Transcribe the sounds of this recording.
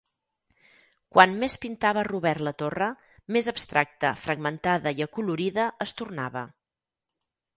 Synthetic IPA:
kwanmespint̪aβəruβɛrlət̪orə | mezəbst̪ɾak̚t̪əfɾəɡmənt̪aðəiəkuluɾiðəəst̪urnaβə

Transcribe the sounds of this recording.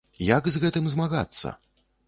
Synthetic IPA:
jaɡzɣɛt̪ɨmzmaɣa̰t̪sːɐ̰

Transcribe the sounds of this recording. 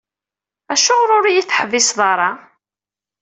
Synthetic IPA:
æʃʊʁɾˤʊɾijiθħəvɪsðˤɑɾˤɑ

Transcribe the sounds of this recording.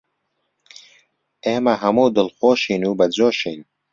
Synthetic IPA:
eːmɐɦɐmoːd̪ʊlxoːʃinubɐd͡ʑoːʃiːn

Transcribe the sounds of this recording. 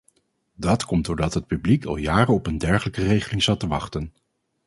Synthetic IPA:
dɑtkɔmdʊːɹdɑtɦət̚pyblikɑ̰lˠjaːrənɔpəndɛɹχələkərejχəlɪŋzɑtəʋɑχtən

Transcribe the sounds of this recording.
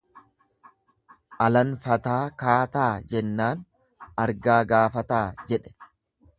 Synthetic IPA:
ʔɐlɐnfɐt̪aːkaːt̪aːd͡ʒɛnːaːn | ɐɾɡaːɡaːfɐt̪aːd͡ʒɛᶑɛ̥

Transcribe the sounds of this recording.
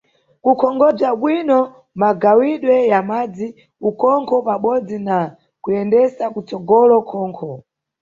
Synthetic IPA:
kukʰɔŋɡɔb͡ʐaɓwinɔ | maɡawiɗwɛjamad͡zi | ukɔŋkʰɔpaɓɔd͡zina | kuɛndɛsakut͡sɔɡɔlɔkʰɔːŋkʰɔ

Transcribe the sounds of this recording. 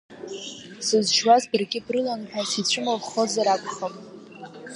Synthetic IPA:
sɨzʒwazbɨrɡʲɪbrɨlanħʷᶣasit͡ɕʷʰɨmalχozaɾakʷʰʼχapʼ

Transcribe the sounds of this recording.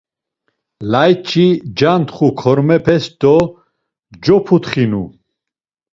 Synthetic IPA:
lajt͡ʃʰʼid͡ʒant̪χukʰɔɾmɛpʰɛsd̪ɔ | d͡ʒɔpʰut̪χinu

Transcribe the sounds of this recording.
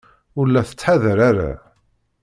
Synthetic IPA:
ʊɾlːæθə̥t͡sːħaðɾaɾa̰

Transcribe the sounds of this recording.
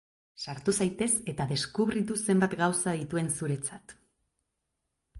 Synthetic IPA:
saɾt̪usajt̪e̞se̞t̪aðe̞skuβrit̪use̞mbat̪ɡawsaðit̪ue̞nsuɾe̞t͡sat̪

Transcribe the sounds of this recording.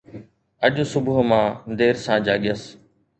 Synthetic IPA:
əʄʊ̃sʊbʊɦmãːd̪eːɾsãːd͡ʒaːɠɪəs

